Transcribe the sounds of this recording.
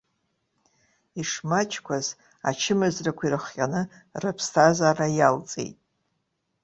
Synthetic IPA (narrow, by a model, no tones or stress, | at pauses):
iʂmat͡ʃʰkʷʰaz | a̰t͡ʃʰɪmɨzrakʷirɨχjʲʼanɨrɨpʰstʰazarajalt͡sʼḛjtʼ